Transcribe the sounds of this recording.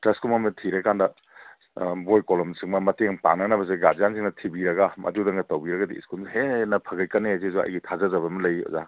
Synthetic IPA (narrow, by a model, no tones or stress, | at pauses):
tɾɐskumamɐtʰiɾɐkandɐ | bojkolɔmsiŋmɐmɐteŋpa̰ŋnɐnɐbɐs̬eɡad͡ʒjansʰiŋnɐtʰibiɾɐɡamʔɐ̰dudɐŋɡɐtɐwbiɾɐɡɐdiḭskulhenɐpʰɐɡɐjkɐnezizuɐ̰jɡitʰazɐzɐβɐmɐlɐjɔ̰za